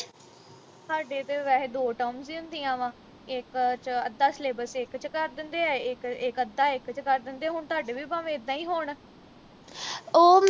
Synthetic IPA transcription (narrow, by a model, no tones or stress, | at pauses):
t̪aːɖeːt̪eːʋɛːd̪oːʈɔːmsiːʊnd̪iːãːʋãː | ɪkt͡ʃəd̪ːaːsleːbəsɪkt͡ʃkəɾd̪ɪnd̪eːɛːɪkɪkəd̪aːɪkt͡ʃkəɾd̪ɪnd̪eːɛːɦʊɳt̪aːɖeːʋiːbaːʋẽːɪd̪ãːiːɦoːɳ | oː